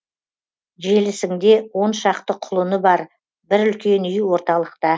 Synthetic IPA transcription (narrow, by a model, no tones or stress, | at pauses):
ʒe̞lɪsɪŋd̪e̞wo̞nʃɑqt̪əqʰʊlˠənəbɑɾ | bɪɾʏlkʲe̞nʏjwo̞ɾt̪ɑlˠəqt̪ɑ